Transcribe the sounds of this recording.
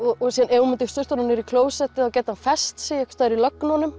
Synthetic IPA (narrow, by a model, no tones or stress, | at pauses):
ɔsiːðanewmɪnt̪ɪst̪ʏr̥t̪ɔnanɪɾikʰloːwsɛht̪ɪaðwcɛːt̪ɪhanfɛst̪sɛɛkst̪aːɾilœknɔnːʏm